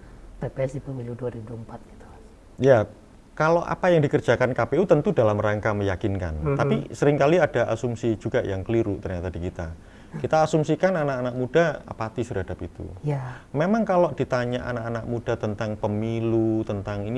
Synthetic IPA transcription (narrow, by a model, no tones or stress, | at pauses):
pepesipəmiluduaɾibubuəmpat̪̚ɡ̥i̥t̪u̥ | ja | kaloʔa̰pajaŋdikər̥d͡ʒ̥a̤kankapeut̪ənt̪udalamraŋkaməjakinka̰nt̪apisəɾɪŋkaliadaʔa̰sumsid͡ʒuɡ̥ajaŋkəliɾut̪ərɲat̪adi̤kit̪a | kit̪aːsumsikananakanak̚mud̥aa̰pat̪isərɦadapit̪ṵmemaŋkalod̥it̪aɲaʔa̰nakanak̚mud̥at̪ənt̪aŋpəmilut̪ənt̪aŋini